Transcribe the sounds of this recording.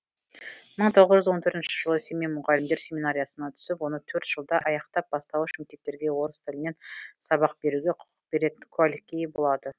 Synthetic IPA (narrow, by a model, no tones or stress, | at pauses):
məɴt̪ʰo̞ʁəzʒʏəzwo̞nt̪ʰɵɾt̪ɪnʃɪ̥ʒ̥əlˠəsʲe̞memʊʁɑləɪmd̪e̞ɾsʲe̞minaɾʲijasənɑt̪ʰʏ̥sɪpwo̞nət̪ʰɵɾt̪ʒ̥əlˠd̪ɑʔɑjɑqt̪ɑp̚b̥ɑst̪ɑwəʃɪmt̪e̞k̚t̪e̞ɾɡʲe̞wo̞ɾəst̪ʰɪlɪne̞nsɑbɑq̚be̞ɾuɡʲeqʰʊ̥ə̥qbe̞ɾe̞t̪ɪŋkʲʰualikʲːejbo̞lˠɑd̪ə